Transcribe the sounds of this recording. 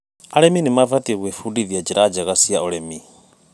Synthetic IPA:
aɺɛminimavat̪ʼiɛɣwɛfudiðjad͡ʒiɾad͡ʒaɣasiaɔɺɛmi

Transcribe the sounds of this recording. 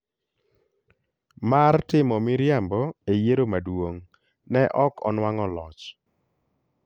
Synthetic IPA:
martɪmɔmɪɾjambɔejeɾomadwoŋ | nɛʔɔkɔ̰nwaŋɔlɔt͡ʃ

